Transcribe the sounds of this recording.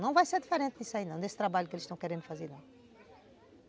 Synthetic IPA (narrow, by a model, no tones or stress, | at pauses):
nɐ̃w̃vajseɾd̪ifɨɾẽnt̪nisɐinɐ̃w̃d̪est̪ɾɐβaʎukelˠʃt̪ɐ̃w̃kɛɾẽnd̪ufɐzeɾnɐ̃